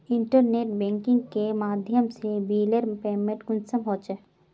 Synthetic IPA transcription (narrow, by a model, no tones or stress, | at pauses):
ɪ̃ɳʈəɾneːʈ̚bɛ̃ːŋkɪ̃ŋɡkemaːd̪ʱjəmsebiːləɾpeːmẽʈɡʊnsəmɦoːt͡ʃə